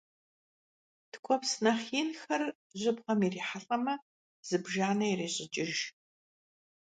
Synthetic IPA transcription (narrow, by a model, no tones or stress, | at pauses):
tʰkʷʰʼɔpsnɐχiːnxɐr | ʑʼɪbʁɐmiriːħaɬʼɐmɐ | z̥ɨbʒaːnɐireːɕʼɪt͡ʃʼɪʒ